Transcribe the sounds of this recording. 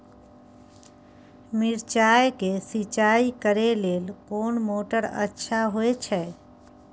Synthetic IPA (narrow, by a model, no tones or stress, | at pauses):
mɪɾt͡ʃaːjkesɪt͡ʃaːikəɾeleːlkoːnmoːʈəɾə̰tːʃʰaɦoet͡ʃʰɛː